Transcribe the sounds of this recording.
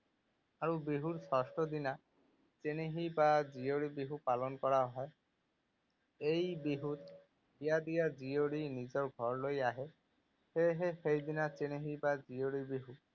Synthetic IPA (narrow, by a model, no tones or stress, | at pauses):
aɹubiɦuɾsɔsʈɔd̪ina | t͡ʃeñeɦibad͡ʒijoɽibiɦupalɔnkɔɾaɦɔe | ejbiɦut̪ | hijad̪ijad͡ʒijoɽinid͡ʒɔɹɡʱɔɹlojaɦe | heɦexejd̪inat͡ʃeñeɦibad͡ʒijoɽibiɦu